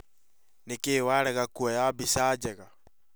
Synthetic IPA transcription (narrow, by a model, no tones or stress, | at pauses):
nekewaɾɛɣakuajabisad͡ʒeɣa